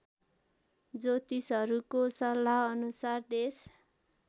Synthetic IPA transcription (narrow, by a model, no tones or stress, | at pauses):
d͡zot̪isʌɾukosʌlːaʌnusard̪es